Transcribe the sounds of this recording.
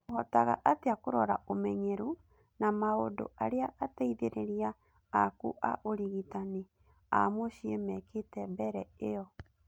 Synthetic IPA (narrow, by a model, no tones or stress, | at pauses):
ɣɔtaɣa̰ʔateakoɾɔɾa̰omɛɲɛɾu | namaodo̰ʔaɾeaʔatɛiðeɾeɾia | akṵʔa̰ʔoɾiɣitane | a̰moɕiemɛketɛmbɛɾɛeɔ